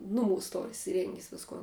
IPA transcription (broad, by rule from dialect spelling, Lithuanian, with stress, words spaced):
nʊˈmuːs ˈtoːr ɪsʲɪˈrʲɛŋʲɡʲɪs ˈʋʲɪskoːn